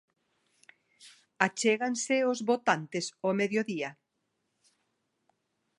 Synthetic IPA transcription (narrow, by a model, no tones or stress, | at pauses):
at͡ʃeɣansɪozβot̪ant̪esomeðjoðiɐ